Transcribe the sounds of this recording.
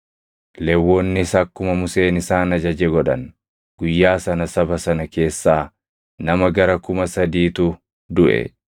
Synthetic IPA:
lɛwːoːnːɪsɐkːʊmɐmʊse̞ːnɪsaːnɐd͡ʒɐd͡ʒɛɡɔᶑɐ̰n | ɡ̥ʊjːaːsɐnɐsɐbɐsɐnɐke̞ːsːaː | nɐmɐɡɐɾɐkʊmɐsɐd̪iːt̪ʊ | d̪ʊʔɛ̰

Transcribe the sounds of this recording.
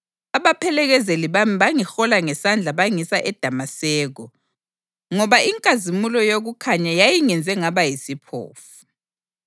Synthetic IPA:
aβapʰɛlɛɣɛzeliβamiβaŋixɔlaŋɛsand͡ɮʱaβaŋisaʔɛd̥ʱamasɛːɣɔ | ŋɔβaʔiŋkʼazimulɔjoɣukʰaɲajajiŋɛnd͡zʱɛŋaβajisipʰo̰ːfu̥

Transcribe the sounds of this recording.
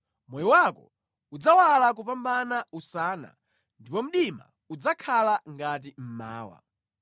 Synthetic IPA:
mɔjɔwakɔ̰ | ud͡zawalak̬upambanausaːna̰ | ndipɔm̩ɗima̰ | ud͡zakʰalaŋɡat̬im̩ma̰ːwa̰

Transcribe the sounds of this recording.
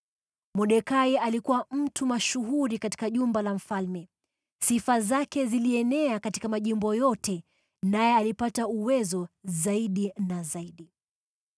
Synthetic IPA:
mɔɗɛkaialikuwam̩tʰumaʃuɦuɾikati̥kaʄumbalam̩falmɛ | sifazakɛziliɛnɛakati̥kamaʄimbɔjɔtɛ | najɛalipatauwɛzɔzaiɗinazaiɗi

